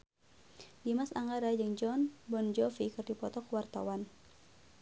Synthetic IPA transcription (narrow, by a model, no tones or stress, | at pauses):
dimasaŋɡaɾad͡ʒɨŋd͡ʒɔnbɔnd͡ʒɔfikɨrdipɔt̪ɔkəwart̪a̰wan